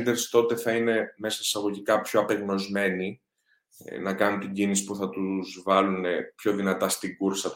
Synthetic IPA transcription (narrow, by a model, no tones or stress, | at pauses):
nd̪eɾst̪o̞t̪e̞θɐine̞me̞sɐisɐɣo̞ʝikɐpçoɐpe̞ɣno̞zme̞nḭ | nɐkɐnunt̪iɲɟinisi̥puθɐt̪uzvɐlunepço̞ðinɐt̪ɐst̪iɡuɾsɐt̪